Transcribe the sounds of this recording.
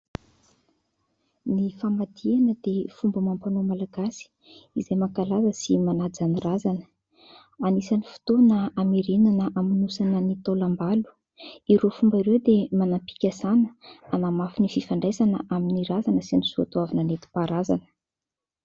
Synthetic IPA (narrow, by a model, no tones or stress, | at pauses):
nifamad̪ianəd̪efumbəmampanomalaɡasi̥ | izajmakalazəsimanad͡zanirazanə̥ | anisanifu̥t̪onaameɾenanəʔaminusanənit̪olambalu̥ | iɾofumbiɾewd̪emanampi̥kʲasanə̥anamafinififaɳɖ͡ʐajzanəʔaminiɾazanəsinisuat̪uavananet̪i̥paɾazanə̥